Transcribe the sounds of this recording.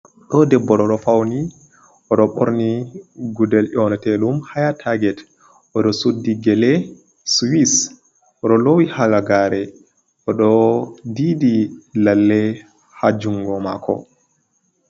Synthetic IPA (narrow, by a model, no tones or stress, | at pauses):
ɗɔdɛbːɔɗɔɗɔfawni | ɔɗɔɓoɾniɡudɛlʔɔnɔtɛlumhajatʰaɡɛt | ʔɔɗɔsudːiɡɛlɛ | swis | ɔɗɔlowihaɡaɡaɾɛ | ɔɗɔdidilalːɛ | had͡ʒuŋɡɔmakʰɔ̰